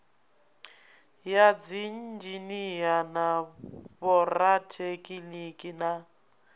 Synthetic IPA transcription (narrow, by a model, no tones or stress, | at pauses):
jad͡zin̩d͡ʒinijanaβɔratʰekʼilikʼina